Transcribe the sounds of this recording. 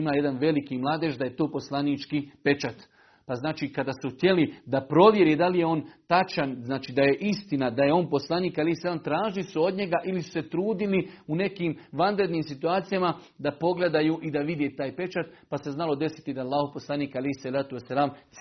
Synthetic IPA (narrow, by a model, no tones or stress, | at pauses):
imaːje̞d̪anʋe̞likimlˠaːd̪eʃd̪aje̞t̪o̞ːpo̞slˠanit͡ʃkipe̞t͡ʃat̪ | paznaːt͡ʃiːkad̪asuht̪je̞lid̪apɾo̞ʋje̞ɾeːd̪alije̞o̞ːnt̪at͡ʃanznaːt͡ʃiːd̪aje̞ʔist̪inad̪aje̞o̞ːnpo̞slˠaniːkalehsalaːmt̪ɾaːʒilisuo̞d̪ɲe̞ɡaʔilisu̥se̞t̪ɾuːd̪iliune̞kiːmʋanɾe̞d̪niːmsit̪uaːt̪sijama | d̪apo̞ɡle̞d̪ajuːʔid̪aʋid̪jeːt̪aːjpe̞t͡ʃat̪pase̞znalo̞d̪e̞si̥t̪id̪aːlˠːaːhoposlˠaniːkalejhsalaːt̪uesːalaːm